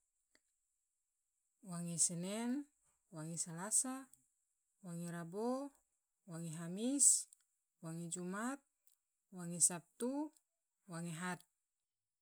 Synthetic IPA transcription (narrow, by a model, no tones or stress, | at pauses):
waŋɛsɛnɛn | waŋɛsalasa | waŋɛɾabo | waŋeɦamis | waŋed͡ʒumat̪̚ | waŋesap̚t̪u | waŋeɦat̪̚